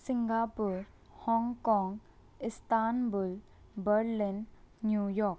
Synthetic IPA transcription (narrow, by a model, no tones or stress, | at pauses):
siŋɡapuɾ | hɔŋkɔŋ | istanbul | bəɾlinːjujɔk